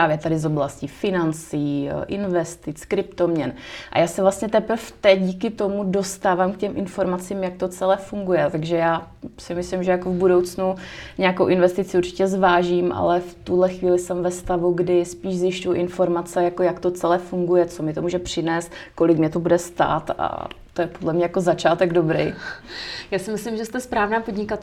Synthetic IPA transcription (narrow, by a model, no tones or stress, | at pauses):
paːvjɛt̪adɪzo̞blascifɪnant͡siːʔɪnvɛst̪ɪt͡skɾɪpt̪omɲɛnʔa̰jaːsɛvlast̪ɲɛt̪ɛpɾ̩ft̪ɛc̚ɟiːkɪt̪o̞mudo̞st̪aːvaːmkcɛmʔɪnfo̞ɾmat͡siːmjak̚t̪o̞t͡sɛlɛːfuŋɡujɛt̪aɡʒɛjaː | sɪmɪslɪmʒɛjakovbudo̞wt͡snuɲɛakowʔɪnvɛst̪ɪt͡sɪuɾt͡ʃɪ̥cɛzvaːʒiːmʔa̰lɛft̪uɦlɛxviːlɪsɛmvɛst̪avuɡdɪspiːʃzjɪʃcujʔɪnfo̞ɾmat͡sɛjakojakt̪o̞t͡sɛlɛːfuŋɡujɛt͡so̞mɪt̪o̞muːʒɛpr̝̥ɪnɛːst̪ko̞lɪkmɲɛt̪obudɛst̪a̰ːt̪a̰t̪ojɛpodlɛmɲɛjako̞zat͡ʃaːt̪ɛɡdo̞bɾɛ̰j | jaːsɪmɪslɪmʒɛst̪ɛspɾaːvnaːpo̞dɲɪkat̪